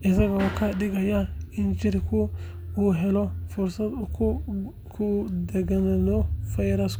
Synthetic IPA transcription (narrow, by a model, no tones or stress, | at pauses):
ʔɪsɐɣɔkʰɐɖɪɣɐjaɪnt͡ʃɪrkʰʊ | uːɦɛlɔfʊrsɐd̪ | kʰʊd̪ɛɡɐnɐnɔfɐjɾɐsk